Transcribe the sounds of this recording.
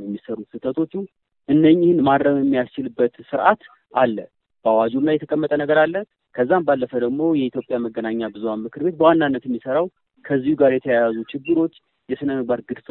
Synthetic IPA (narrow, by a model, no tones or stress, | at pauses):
jɛmːisəɾut̪sɨt̪ʰət̪ʰo̞t͡ʃːu | ʔɨnːəɲːihɨnmad̪ɾəβjɛmːijast͡ʃɪlɨbːət̪sɨɾʔat̪ | ʔalːə | b̥əawad͡ʒumnajɛt̪ʰəkʼəmːət̪ʼənəɡəɾalːə | kʰəzːambalːəfəd̪əɡmo̞jɛit̪ʰjo̞pʼjaməɡənaɲːabɨzuamɨkʰɨɾβe̞t̪̚bəwanːanːət̪jɛmːisəɾaw | kʰəzːihuɡaɾjɛt̪ʰəjajazut͡ʃɪɡːɨɾo̞t͡ʃː | jɛsɨnəməbaɾɡɨd̪f